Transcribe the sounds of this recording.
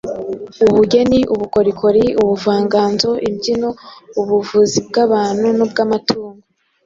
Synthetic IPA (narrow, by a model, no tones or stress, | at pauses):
uβuɟeniʔuβukoɾikʰo̞ɾiuβuvaːŋɡaːnzo̞ʔimɟinouβuvuzib̚ɡaβaːn̥hunub̚ɡaːmatuːŋɡo